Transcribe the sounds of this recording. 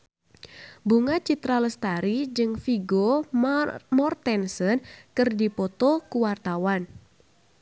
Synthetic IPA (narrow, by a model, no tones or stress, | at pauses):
buŋat͡ʃit̪ɾaləst̪aɾid͡ʒɨŋfiɡo | mɔrt̪ɛnsənkɨrdipɔt̪ɔkuwart̪awan